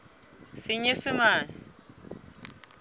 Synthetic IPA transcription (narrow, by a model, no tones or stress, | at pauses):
sɪɲesɪmaːn